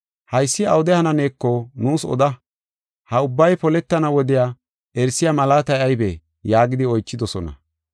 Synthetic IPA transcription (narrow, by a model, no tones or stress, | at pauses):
hɐjsːɪɐwʊd̪ɛhɐnɐne̞ːkːɔnuːsɔ̰d̪ɐ | hɐʊbːɐjpɔlɛt̪ːɐnɐwɔd̪ɪjaː | ʔɛɾsːɪjamɐlaːt̪ɐjɐjbɛ̰ | jaːɡɪd̪ɪɔjt͡ʃːɪd̪ɔsɔnɐ̰